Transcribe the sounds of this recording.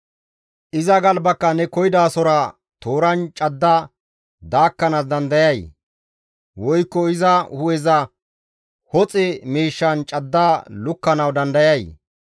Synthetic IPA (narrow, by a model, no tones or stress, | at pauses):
ʔɪzɐɡɐlbɐkːɐnɛkɔjɪd̪aːsɔɾɐ | t̪o̞ːɾɐnt͡ʃʼɐd̪ːa | d̪aːkːɐnas̬d̪ɐnd̪ɐjɐj | wɔjkːɔɪzɐhʊwɛzɐ | hɔt͡sʼɛmiːʃːɐnt͡ʃʼɐd̪ːaːlʊkːɐnɐwd̪ɐnd̪ɐjɐj